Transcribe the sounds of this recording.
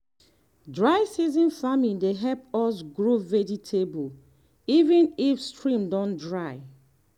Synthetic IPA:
dɹaɪsizĩnfamĩndeɦɛpɔs̬ɡɹovɛd͡ʒitʰebul | ivĩnifstɹĩmdɔ̃ndɹaɪ

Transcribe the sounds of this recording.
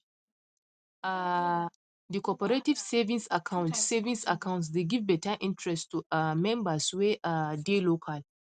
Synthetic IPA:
a | dikɔpəɹetiv̥sɛvĩnsakʰãʊ̃ntsɛvĩsakʰãʊ̃nts̬deɡivbɛtaʔĩntɹɛstuamɛ̃mbasweʔadelokʰal

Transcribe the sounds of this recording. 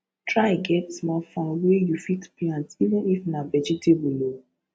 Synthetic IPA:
tɹaɪɡɛtsmafɔ̃nwejufitplãntivə̃nifnavɛd͡ʒitʰebulo

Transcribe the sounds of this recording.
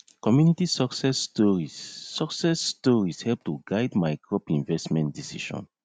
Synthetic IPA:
kɔmjunitisɔksɛstɔɹiɔksɛsːtɔɹishɛlp̚tuɡaɪdmajɡɹɔpĩnvɛstmɛ̃ntdisḭʃɔ̰̃n

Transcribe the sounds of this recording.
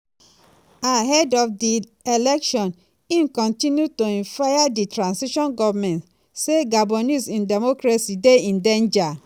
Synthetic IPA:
aɦɛdɔfdi | elɛkʃɔ̃n | ĩnkɔ̃ntĩnjutoĩnfajaditɹãnsiʃɔ̃nɡɔvmɛ̃nt | seɡabɔnisĩndɛmokɹasideĩndẽnd͡ʒa

